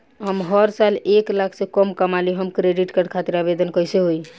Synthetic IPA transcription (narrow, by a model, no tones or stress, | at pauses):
ɦəmɦəɾsaleklakʰsẽkəmkəmaliɦəmkɾeɖiʈkəɽkʰat̪iɾabed̪ənkəjseɦoj